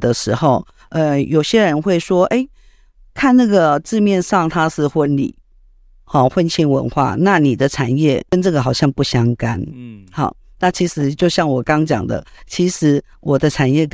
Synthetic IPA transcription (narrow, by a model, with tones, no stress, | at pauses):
d̪ə˨ʂɻ̩˧˥xo˨˩ʊ | ə˧jo˨ʊɕjɛ˦˥ɻə˧˦nxwe˥˩ɪʂwɔ˥ʔe˥˩ɪ | kʰa˥˧nna˥˩ɡə˩ʈ͡ʂɻ̩˥˧mjɛ˥˧nʂɑ˥˩ŋt̪ʰa˥ʂɻ̩˥˧xwə˦˥nlḭ˨˩˦ | hɑ˥˨˩xwə˦nɕi˥nwə̰˧˦˥nxwa̰˥˩na˥˨ni˨˩d̪ə˦ʈ͡ʂʰa˨˩njɛ˥˩kə˥˦nʈ͡ʂɤ˥˩ɡə˩xɑ˨˩ʊɕjɑ˥˧ŋpu˥˩ɕjɑ˥ŋka˥nhɑ̰˨˩ | na˥˩t͡ɕʰi˧˥ʂɻ̩˧˥˦t͡ɕjo˥˧ʊɕjɑ˥˩ŋwɔ˨˩kɑ˥ŋt͡ɕjɑ̰˨˩ŋd̪ə̰˦t͡ɕʰi˧˥ʂɻ̩˧˥ | wʔɔ˨˩d̪ə˦ʈ͡ʂʰa˨˩njɛ˥˩k